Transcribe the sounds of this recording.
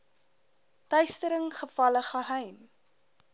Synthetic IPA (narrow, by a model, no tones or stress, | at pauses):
tœɥstəɾəŋχəfɐləχəɦɛjm